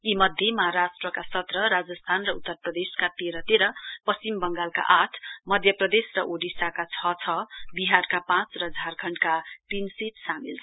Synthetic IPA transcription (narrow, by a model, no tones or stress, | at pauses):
imʌd̪ʱjemʌɦaɾasʈrʌkasʌt̪rʌɾad͡zʌst̪ʰanrʌut̪ːʌrprʌd̪eskat̪eɾʌt̪eɾʌpʌst͡simbʌŋɡalka̰ʔaʈʰmʌd̪ʱjʌprʌd̪esrʌʔoɖisakat͡sʰʌt͡sʰʌbiɦarkapãt͡srʌd͡zʱarkʰʌɳɖkat̪insiʈsamilʰ